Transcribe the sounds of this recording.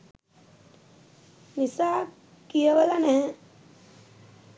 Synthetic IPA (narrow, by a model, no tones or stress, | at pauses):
nisaː | kijəʋəlanɛː